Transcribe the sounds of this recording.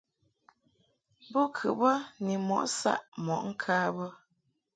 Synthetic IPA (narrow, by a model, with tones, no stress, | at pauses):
bɔ˦kʰʉ˨bə˦ni˨mɔ̰˨ʔsa̰˦˨ʔmɔ̰˨ʔŋ̩˦kʰaː˦bə˦